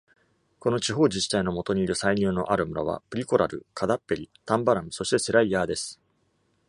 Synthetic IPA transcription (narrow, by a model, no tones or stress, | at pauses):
ko̞not͡ɕiɦo̞ːd͡ʑiɕi̥t̪aino̞mo̞t̪o̞ɲ̟iːɾɯ̟saiɲ̟ɨːno̞̰ʔaɾɯ̟mɯ̟ɾa̰β̞a̰pɯ̟ɾʲiko̞ɾaɾɯ̟̰kʰad̪apːe̞ɾʲit̪ãmbaɾamɯ̟so̞ɕi̥t̪e̞se̞ɾaijaːd̪e̞sɨ̥